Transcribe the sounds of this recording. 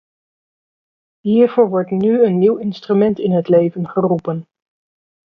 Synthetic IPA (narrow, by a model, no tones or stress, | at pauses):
ɦiːɹvʊːɹʋɔɹtnyənːiwɪnstrymɛntɪnɦətlejvənχərupən